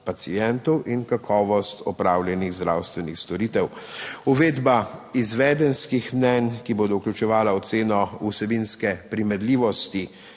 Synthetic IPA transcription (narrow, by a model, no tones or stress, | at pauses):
pat̪siɛnt̪ɔwʔinkakʰɔːʋɔst̪ɔpɾaːwljɛniɣzd̪ɾawst̪ʋɛnixst̪ɔɾiːt̪ɛwuʋeːd̪baizʋɛːd̪ɛnskixmnɛnkiboːd̪ɔuklʲut͡ʃɛʋaːlaɔt̪seːnɔusɛbinskɛpɾimɛd̪liːʋɔst̪i